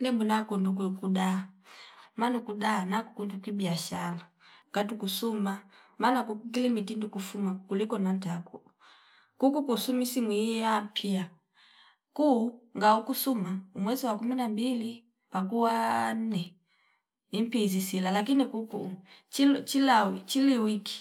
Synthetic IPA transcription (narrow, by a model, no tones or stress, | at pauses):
nɛmbunakunduk̬ukudaa | manukudaːnakukundukwibiaʃala | ŋɡ̥atukusumamanakukuk̬ilimitindukufumakulikɔnantaku | kukukusumisimwiapʰia | kuŋɡaukusumaumwɛziwakuminambili | pak̬uwan̩nɛ | im̩pizisilalak̬inikukut͡ʃit͡ʃilawit͡ʃiliwiki̥